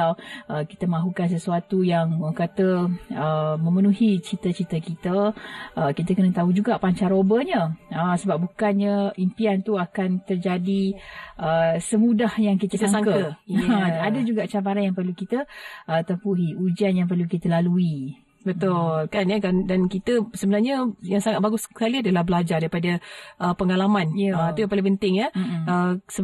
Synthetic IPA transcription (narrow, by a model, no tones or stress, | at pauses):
awʔəki̥t̪əmaɦukans̬əsuat̪ujaŋkat̪əəmə̃mənuɦit͡ʃit̪ət͡ʃit̪əkit̪əʔəkit̪əkənət̪aud͡ʒuɡaʔpaɲt͡ʃaɾobəɲəəsəbap̚bukanɲəimpiant̪uakant̪ərd͡ʒadiʔəsəmudahjaŋkit̪əsaŋsaŋkəə | adəd͡ʒuɡaʔt͡ʃampaɾanjaŋpərlukit̪əʔət̪əmpuɦiud͡ʒianjaŋp̬ərlukit̪əlalui | bət̪ʊlkanjakandankit̪əsəbənarɲəjaŋsaŋat̪̚baɡʊskaliadəlahbəlad͡ʒardaɾipadəʔəpəŋalamãnjəət̪ujãŋpalipənt̪ɪŋəəsə